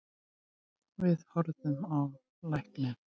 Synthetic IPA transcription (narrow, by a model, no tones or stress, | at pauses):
vɪðhɔɾðʏmav | lajhk̪nɪ